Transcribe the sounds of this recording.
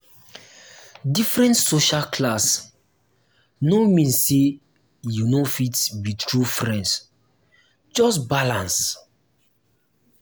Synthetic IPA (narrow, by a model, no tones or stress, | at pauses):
difɹɛ̃ntsoʃalkʰlas | nomĩnsːe | junofitbitɹufɹɛ̃nds | d͡ʒɔs̬balãns